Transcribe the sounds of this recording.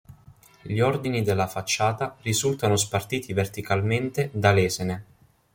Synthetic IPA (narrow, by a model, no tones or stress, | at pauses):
ʎiɔrd̪inid̪elːafat͡ʃːaːt̪arizult̪anospart̪iːt̪ivert̪ikalment̪ed̪alɛːsene